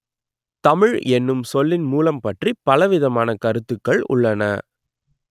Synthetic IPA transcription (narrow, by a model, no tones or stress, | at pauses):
t̪ɐmɪɻɛnːɯmsɔlːɪnmuːlɐmpɐʈripːɐlɐʋɪðɐmaːnɐkɐɾɯt̪ːɯkːɐɭʊ̰ɭːɐnɐ̰